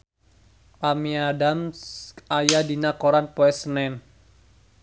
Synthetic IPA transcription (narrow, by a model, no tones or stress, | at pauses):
pamiadamsajadinakoɾanpɔɛsənɛn